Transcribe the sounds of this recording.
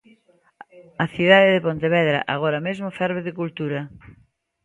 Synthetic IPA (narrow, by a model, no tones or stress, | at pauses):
ɐθiðaðeɪðɪpont̪eβɛðɾa̰ʔaɣ̞oɾɐmezmofɛɾβeðɪkult̪uɾɐ